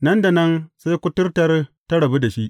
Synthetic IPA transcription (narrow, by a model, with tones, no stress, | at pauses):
nɐ˦nda˨nɐ˦nsa˦jkʷʊ˦tʊ˦rtɐ˦rtɐ˦ɽɐ˨bi˦da˨ʃi˦ʔ